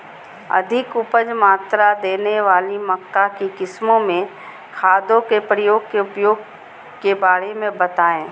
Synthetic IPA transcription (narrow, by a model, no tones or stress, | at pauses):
ɐ̰d̪ʱɪkʊpəd͡ʒmaːt̪ɾad̪eːneʋaːlimɐkːakikɪsmõmẽ | xʰaːd̪õkepɾəjoːɡ̚keʊpjoːɡ̚ | kebaːɾemẽbɐt̪aːẽː